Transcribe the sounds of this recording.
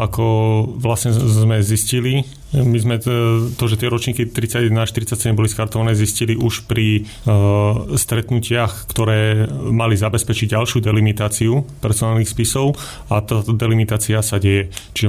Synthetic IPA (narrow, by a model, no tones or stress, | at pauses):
akɔʋlasɲɛzmɛziscili | mizmɛt̪ɔʒɛt̪ɪɛɾɔt͡ʃɲiːkit̪ɾit͡saɟɛd̪naʃt̪iɾit͡sːacsɛɟɛmbɔliskaɾt̪ɔʋanɛːzisciliʔuʃpɾi | st̪ɾɛt̪nucɪaxkt̪ɔɾɛːmalizabɛspɛt͡ʃiɟɟalʃɪud̪ɛlimit̪aːt͡siupɛɾsɔnaːlnixspisɔʊ | at̪aːt̪ɔd̪ɛlimit̪aːt͡siasaɟɛjɛt͡ʃiʒɛ